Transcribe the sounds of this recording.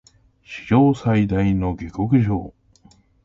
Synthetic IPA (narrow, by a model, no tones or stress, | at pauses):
ɕi̥d͡ʑo̞ːsaid̪aino̞ɡʲiko̞kɯ̟ʑo̞̰ː